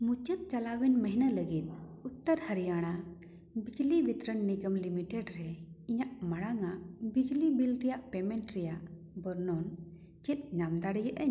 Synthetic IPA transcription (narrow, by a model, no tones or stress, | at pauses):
mut͡ʃət̪̚t͡ʃalawɛnməɦnaləɡit̪̚ut̪ːəɾhəɾijaɽ̃a | bid͡ʒlibit̪ɾəɳːiɡəmlimiʈɛɖɾɛiɲaʔmaɽaŋaʔbid͡ʒlibilɾɛjaʔpɛmɛɳʈɾɛjaʔ | bəɾnɔn | t͡ʃɛt̪̚ˀɲamd̪aɽijəʔʔəɲ